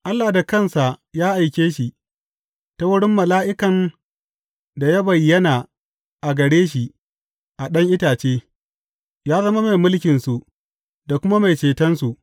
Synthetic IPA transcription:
ʔa˦lːaː˨da˨kɐ˦˨nsa˨jaː˦ʔa˨jkʲeː˦ʃi˨ | ta˦wʊ˦ɽɪ˦mːɐ˨laː˦ʔɪ˦kɐ˨n | da˨ja˦bɐ˨jːɐ˦naː˨ | ʔa˨ɡɐ˨ɽeː˦ʃ̬i˨ | ʔa˨ɗɐ˦ŋʔɪ˦taː˨t͡ʃeː˦ | jaː˦zɐ˦ma˦ma˨jmʊ˦lkʲɪ˨nsu˨ʔ | da˨kʷʊ˦ma˦ma˨jt͡ʃeː˨tɐ˦nsu˨ʔ

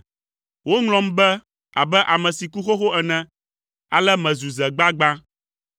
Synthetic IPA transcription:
wo˦ŋlɔ̃˨m˦bɛ˦ | a̰˨bɛ˦ʔa˨mɛ̃˨si˨ku˦xo˦xo˦ɛ˨nɛ̃˨ | a˨lɛ˦mɛ̃˨zu˨zɛ˨ɡ͡ba˦ɡ͡ba˦

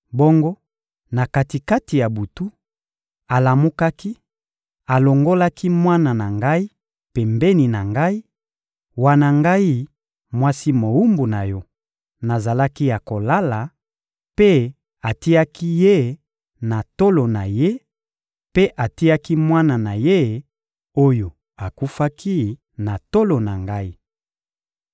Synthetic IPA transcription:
bo˦ŋɡo˦ | na˨ka˨ti˨ka˦ti˨ja˨bu˨tu˦ | a˨la˨mu˦ka˦ki˦ | a˨lo˨ŋɡo˦la˦ki˦mwa˦na˨na˨ŋɡa˦i˦ | pe˨mbe˦ni˨na˨ŋɡa˦i˦ | wa˦na˨ŋɡa˦i˦ | mwa˦si˦mo˨u˦mbu˨na˨jɔ˦ | na˨za˨la˦ki˦ja˨ko˨la˦la˨ | pe˦ | a˨ti˦a˦ki˦je˦ | na˨to˦lo˨na˨je˦ | pe˦ʔa˨ti˦a˦ki˦mwa˦na˨na˨je˦ | o˦jo˨ | a˨ku˦fa˦kʰi˦ | na˨to˦lo˨na˨ŋɡa˦i˦

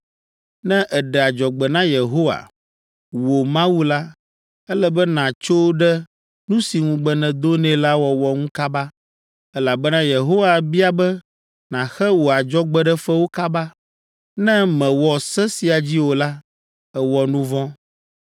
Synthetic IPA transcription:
nɛ̃˦ʔɛ˨ɖɛ˨a˨d͡ʒɔ˨ɡ͡bɛ˨nã˦je˨ɦo˦wa̰˨ | wo˨mã˦wu˦la˦ | ɛ˦lɛ˦bɛ˦nã˨t͡ʃo˦ɖɛ˦ | nũ˦si˨ŋũ˨ɡ͡bɛ˨nɛ̃˨d̪o˦nɛ̃˨la˦wɔ˨wɔ˨ŋũ˦ka˦ba˦ | ɛ˦la˨bɛ˦nã˦je˨ɦo˦wa˨bi˦a˨bɛ˦ | nã˨xɛ˦wo˨a˨d͡ʒɔ˦ɡ͡bɛ˦ɖɛ˦fɛ˦wo˦ka˦ba˦ | nɛ̃˦mɛ̃˨wɔ˨sɛ˦si˨a˨d͡ʑi˦wo˨la˦ | ɛ˨wɔ˨nũ˦vɔ̃˦

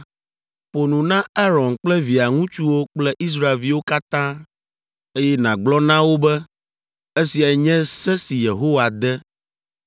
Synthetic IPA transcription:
po˨nũ˨nã˦a˦ɾɔ̃˨nk͡plɛ˦vi˨a˨ŋũ˦t͡ʃu˦wo˦k͡plɛ˦ʔi˦s̬ɾa˨e˨lvi˦wo˦ka˦t̪ã˦ | e˦jɛ˦nã˨ɡ͡blɔ˦nã˦wo˦bɛ˦ | e˦si˨a˨ɲɛ̃˦sɛ˦si˨je˨ɦo˦wa˨d̪ɛ˦

